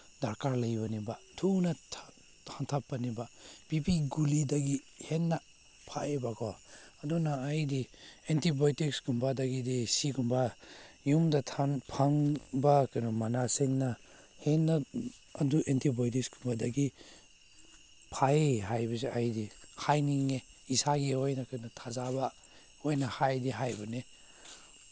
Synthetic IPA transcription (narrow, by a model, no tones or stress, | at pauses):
daɾkaɾlɐjbanibatʰunɐtʰ | tʰaŋtʰapːɐnibab̥ipiɡulidɐɡihenːa | pʰaebakʰɔɐdunaːjdientibojtiksɡumbadaɡidisiɡumbajumdɐtʰanpʰaŋbakajnɔmanaseŋnɐ | henːa | ɐduʔentʰibojtiksɡumbadaɡi | pʰaeɦajbɐsiajdihajniŋeisaɡiojnɐkajnɔtʰazaba | ojnahajdiɦajbɐne